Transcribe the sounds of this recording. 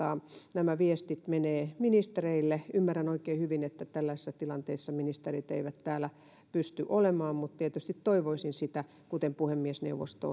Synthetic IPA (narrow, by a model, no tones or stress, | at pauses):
ɑnæmæʋiest̪it̪meneːminist̪ereilːeymːærænoikeːhyʋinet̪ːæt̪ælːæisisːɑt̪ilɑnt̪eisːɑminist̪erit̪ḛiʋæt̪t̪æːlæ | pyst̪yʔolemɑːmmut̪t̪iet̪yst̪it̪t̪oiʋoisinsit̪æ | kut̪empuhemːiesnḛuʋo̰st̪o̰